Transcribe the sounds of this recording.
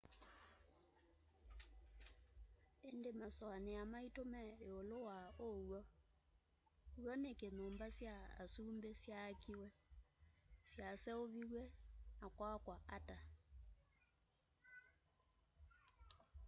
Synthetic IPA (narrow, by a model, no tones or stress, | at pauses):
endemasɔaneamaitomɛeolowaowɔ | uwɔnekenoːmbasjaa̰suːmbesjakiwɛ | sjasɛoβiɣwɛnakwakwaʔata